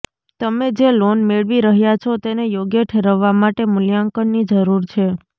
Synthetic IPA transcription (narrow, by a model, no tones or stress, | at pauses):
t̪əmed͡ʒelonmeɭʋiɾəɦjat͡ʃʰɔt̪enejoɡjeʈʰeɾəʋːamaʈemʊljaŋkənːid͡ʒəɾuɾt͡ʃʰe